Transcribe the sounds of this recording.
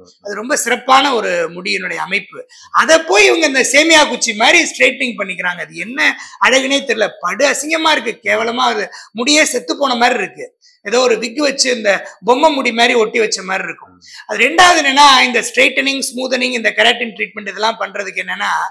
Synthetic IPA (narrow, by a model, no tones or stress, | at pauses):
ɐðɯɾɔmbɐsɪɾɐpːaːnɐɔɾɯmʊɽɪjɐnɯɽɐjɐɐmɐɪpːɯ | ɐðɛpːoːjɪʋɐŋɡɐɪnd̪ɐseːmɪjaːkʊt͡ʃːimaːd̪ɾisʈɾeːʈnɪŋpɐɳːɪkːɪɾaːŋɡɐːðɯɛnːɐɐɻɐɣɐneːt̪ːɛɾɯlɐpɐɽɯɐsɪŋɡɐmaːɪɾɯk̬ːɯkeːʋɐlɐmaːɐðɯmʊɽɪjeːsɛt̪ːɯpːoːnɐmaːd̪ɾiɪɾɯkːɯ | ɛðoːɔɾɯʋɪkːɯʋɐt͡ʃːɯɪnd̪ɐbɔmbɐmːʊɽimaːd̪ɾiɔʈːiʋɐt͡ʃːɐmaːd̪ɾiɪɾɯkːʊ̃ | ɐðɯɾɛɳɖaːʋɐðɪnːɐnːaːɪnd̪ɐsʈɾeːʈːɐnɪŋsmuːðɐnɪŋɪnd̪ɐkɐɾaːʈːɪnʈɾiːʈ̚mɛɳʈɪðɛlːãːpɐnːɾɐðɯkːɛnːɐnːaː